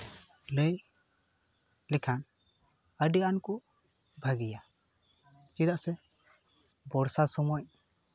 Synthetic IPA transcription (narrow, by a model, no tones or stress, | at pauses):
ləj | lɛkʰan | əɖiankɔ | bʱaɡija | t͡ʃid̪aʔsɛ | bɔɾsasɔmɔj